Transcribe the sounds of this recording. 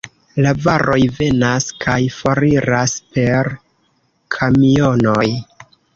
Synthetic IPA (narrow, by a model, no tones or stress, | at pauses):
lavaɾo̞jve̞naskʰajfoɾiɾaspe̞ɾ | kʰamio̞no̞j